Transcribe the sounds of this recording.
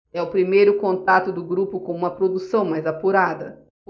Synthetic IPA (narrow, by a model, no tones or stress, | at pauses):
ɛʊpɾimejɾʊkõnt̪at̪ʊd̪ʊɡɾupʊkõw̃ũmɐpɾod̪usɐ̃w̃majzapuɾad̪ɐ̰